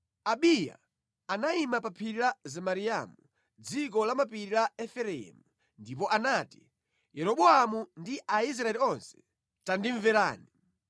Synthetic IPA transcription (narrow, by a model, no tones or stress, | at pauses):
aɓija̰ | anaimapapʰiɾilazɛmaɾia̰mu | d͡zik̬ɔlamapiɾilaɛfɛɾɛɛ̰mu | ndip̬ɔʔanati̥ | jɛɾɔɓɔamundiʔais̬ɾaɛliɔnsɛ̥ | tandiɱvɛɾaːni